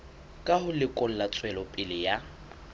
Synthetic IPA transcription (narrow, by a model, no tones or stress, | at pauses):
kʼahʊlɪkʼʊn̩lat͡sʼwɛlɔpʼɪlɪja